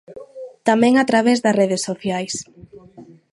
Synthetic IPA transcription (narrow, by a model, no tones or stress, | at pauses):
t̪amɛ̃ŋat̪ɾaβ̞ezðɐreðesːoθjajs